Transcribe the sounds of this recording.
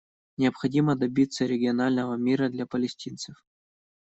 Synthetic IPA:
nʲɪɐpxɐdʲiməd̪ɐbʲit̪səɾʲɪɡʲɪɐnalʲnəvəmʲiɾəd̪lʲapəlʲɪsʲtʲint̪sɨf

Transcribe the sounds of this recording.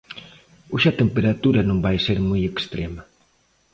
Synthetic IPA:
uʃat̪empeɾat̪uɾɐnõŋbajseɾmojekst̪ɾemɐ

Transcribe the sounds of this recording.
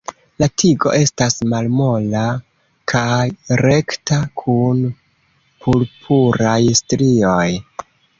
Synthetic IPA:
latʰiɡo̞̰ʔe̞stasmalmo̞la | kʰajɾe̞ktakʰun | pʰulpʰuɾajstɾio̞j

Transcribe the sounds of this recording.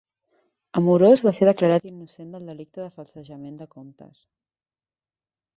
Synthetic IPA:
əmuɾozβaseɾðəkləɾat̪inːusend̪əlˠd̪əlik̚t̪əðəfəlˠsəʒəmend̪əkomt̪ə̰s

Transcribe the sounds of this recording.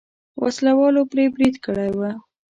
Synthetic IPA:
wʔa̰slawɑlopɾebɾid̪kəɽajwə

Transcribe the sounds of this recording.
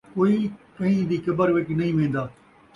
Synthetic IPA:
koːikɐ̃ĩd̪iːkɐbəɾʋeʈinɐɦĩmẽːn̆d̪aː

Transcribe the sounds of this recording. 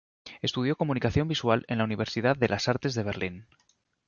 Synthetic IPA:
e̞st̪uð̞jo̞ko̞mũnikaθjo̞mbiswalenlauniβ̞e̞ɾsiðaððe̞lʔasaɾt̪e̞zðe̞β̞e̞ɾlin

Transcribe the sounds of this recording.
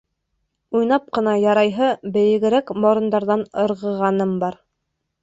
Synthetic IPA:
ujnɑp̚qɤ̆nɑjɑɾɑjɦɤbɘ̆jɘ̆ɡɘ̆ɾækmŏɾɤ̆nd̪ɑɾðɑnɤ̆ɾʁɤ̆ʁɑnɤmbɑɾ

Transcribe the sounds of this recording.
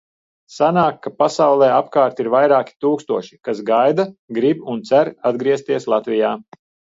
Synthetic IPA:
sanaːkːapasawlˠɛːapkaːɾt̪iɾvajɾaːkʲi̥t̪uːkst̪uɔʃi̥kasɡajd̪aɡɾibunt̪sæɾad̪ɡɾiɛst̪iɛslˠat̪vijaː

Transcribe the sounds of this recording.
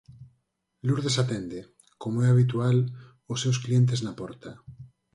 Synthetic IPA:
luɾðesat̪end̪e | komoɛaβ̞it̪ual | osːewsklient̪̬eznapɔɾt̪a

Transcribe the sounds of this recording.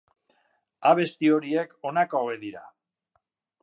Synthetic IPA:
aβ̞e̞st̪io̞ɾie̞ko̞nakooeðiɾa̰

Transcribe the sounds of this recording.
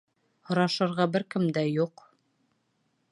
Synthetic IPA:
hŏɾɑʃɤ̆ɾʁɑbɘɾkɘmd̪æjuq

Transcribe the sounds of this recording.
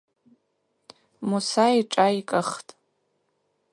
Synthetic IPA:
musaiʈ͡ʂʼaikʼəχtʼ

